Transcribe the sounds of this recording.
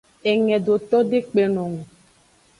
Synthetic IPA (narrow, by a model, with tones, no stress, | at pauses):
ɛ˨ŋɛ̃˨do˨t̪ɔ˦ɖe˦k͡pe˨nõ˨ŋũ˨